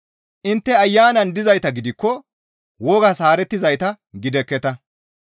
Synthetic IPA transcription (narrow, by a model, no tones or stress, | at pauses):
ʔɪnt̪ːɛɐjːaːnɐnd̪ɪzɐjt̪ɐɡɪd̪ɪkːɔ | wɔːɡasaːɾɛt̪ːɪzɐjt̪ɐ | ɡɪd̪ɛkːɛt̪ɐ